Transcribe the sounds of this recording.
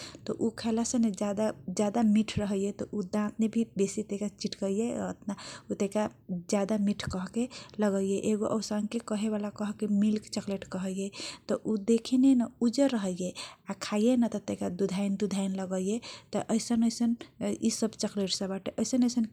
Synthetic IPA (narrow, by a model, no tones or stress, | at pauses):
t̪ɔʔukʰelasə̃ned͡ʒad̪ad͡ʒad̪amiʈʰɾəɦəjet̪ɔʔud̪ãt̪nebʱibesit̪ekat͡ʃiʈkəjeət̪naut̪eka | d͡ʒjad̪amiʈʰkəɦkeləɡəjeʔeɡoʔəwsaŋkekəɦeβalakəɦkemilkt͡ʃəkleʈkəɦəjet̪ɔʔud̪ekʰinenaud͡ʒəɾːəɦəjeakʰajenət̪ɔt̪ekad̪ud̪ʱaɪnd̪ud̪ʱajnləɡəjet̪ɔʔəjsənəjsənisəbt͡ʃəkleʈsə̃baʈeʔəjsənəjsən